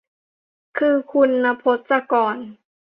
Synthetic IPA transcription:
kʰɯː˧kʰu˧nːa˧pʰo˧˦˥t̪̚sa˧kɔː˨˩n

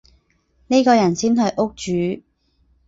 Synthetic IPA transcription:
ne˥kɔː˧jɐ˨˩nsiː˥nɦɵ˧ɥʔʊ˥k̚t͡ʃyː˨˦

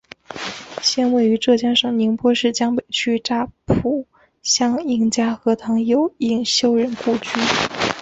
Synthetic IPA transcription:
ɕjɛ˥nwe˥˩ɪy˧˥ʈ͡ʂɤ˥˩t͡ɕja˥ŋʂɤ˥˩ŋni˧˥ŋpwɔ˥ʂɻ̩˥˩t͡ɕjɑ˥ŋpe˨˩ɪt͡ɕʰy˥ʈ͡ʂa˥˩pʰu˨˩ | ɕjɑ˥ŋi˥˩ŋt͡ɕja˥xɤ˧˥t̪ʰɑ˧˥ŋjo˨˩ʊi˥˩ŋɕjo˥ʊɻə˧˥nku˥˩t͡ɕy˥

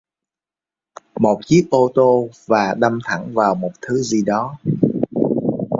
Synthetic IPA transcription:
mo˨˩t̚t͡ɕi˦˥ək̚ʔo˧t̪o˧vaː˨˩ɗa˧mt̪ʰa˧˩ŋvaː˨˩wmo˨˩t̚t̪ʰɨ˨˦zi˨˩ɗɔ˨˦

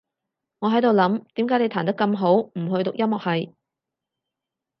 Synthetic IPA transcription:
ŋɔː˨˧ɦɐ˨˥jt̪o˨wlɐ˨˥mt̪iː˨˥mkaː˨˥ne˨˧jt̪ʰːnt̪ɐ˥kːɐ˧mɦo˨˥wm̩˨˩ɦɵ˧ɥt̪ʊ˨k̚jɐ˥mɔː˨k̚hɐ˨j

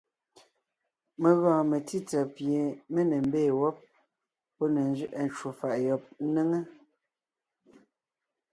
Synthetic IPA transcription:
me˨ɣɔ̃ː˨me˨ti˦t͡sɛ˨pje˨me˦ne˨m̩˦beː˦˨wɔ˦p̚ː | ɔ˦ne˨n˦d͡ʒɥi˦ʔe˨n˨t͡ʃu˨fa˨ʔjɔ˨p̚ne˦ŋe˦

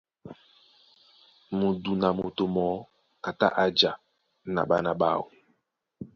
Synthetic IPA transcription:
mu˨du˨na˨mo˨to˨mɔ˨˦ | a˨ta̰˦ʔa˨d͡ʒa˨ | na̰˨ɓa˦na˨ɓa̰˦˨wo˨

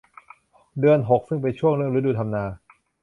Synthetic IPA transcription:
dɯ˧ənɦo˨˩k̚sɯ˥˩ŋpa˧jt͡ɕʰu˥˩əŋɾɯ˥˩əŋɾu˦˥duː˧t̪ʰa˧mnaː˧

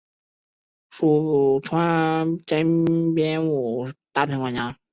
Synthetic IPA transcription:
ʂu˨˩˨ʈ͡ʂʰwa˥nʈ͡ʂə˥pjɛ˥nwu˨˩t̪a˥˧˩tʰɛ˧˥ŋkwa˧˥˩t͡ɕja˥

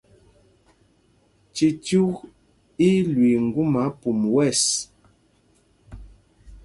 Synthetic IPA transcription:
t͡ʃi˨tu˦ɣ | i˦lwi˨ŋ̩˨ɡu˦ma˨˦pu˨mwɛ˦˨s

